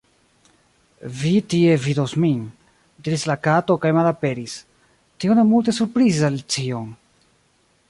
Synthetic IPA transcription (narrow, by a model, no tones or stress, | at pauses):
vitie̞vidosmin | diɾislakato̞kajmalape̞ɾis | tione̞multe̞suɾpɾizalit͡ʃion